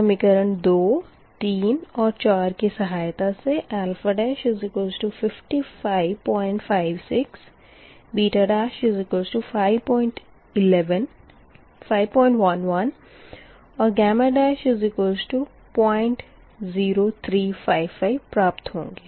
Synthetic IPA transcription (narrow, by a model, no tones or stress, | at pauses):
kəmɪkəɾənd̪oː | t̪iːnɔːɾt͡ʃaːɾkisɐɦaːjt̪aseʔɛːlfəɖɛːʃɪzɪkoːzʈufɪfʈifaːɪʋpɔ̃ːɪ̃ɳʈfaːɪʋsɪks | biːʈəɖaːʃɪzɪkoːzʈufʰaːɪʋpɔːɪ̃ɳʈ | ɪlɛʋən | faːɪʋpɔ̃ːɪ̃ɳʈʋɐnʋɐn | ɔːɾɡɛːməɖaːʃɪzɪkoːzʈu | pɔ̃ːɪ̃ɳʈ | ziːɾot̪ʰɾiːfʰaːɪʋfaːɪʋpɾaːpt̪ɦõ̰ːŋɡeː